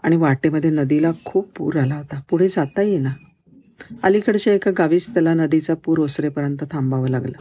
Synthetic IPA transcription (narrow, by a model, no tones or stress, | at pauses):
aɽ̃iʋaʈeməd̪ʱjenəd̪ilakʰuːpːṵːɾalaɦot̪apuɽ̤ed͡zat̪ajena | əlikəɽɕeekaɡaʋiːst̪əlanəd̪it͡sapuːɾosɾepəɾjənt̪ət̪ʰambaʋəlaɡla̰